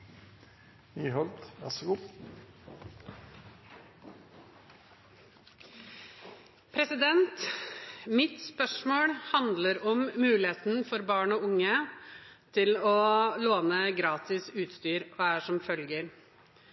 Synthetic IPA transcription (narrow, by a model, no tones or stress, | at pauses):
nyːɦɔlt̪ʋæ̰sɔɡu | pʰɾɛsɪd̪ɛnt̪ | mɪt̪spœʂmoːɽhɑnd̪ləɾɔmːʉːlɪeːt̪n̩fɔɾbɑːɳɔːʊŋːə | t̪ʰɪlɔloːnəɡɾɑːt̪ɪsʉːt̪st̪yːɾoːæːʂɔmfœlɡəɾ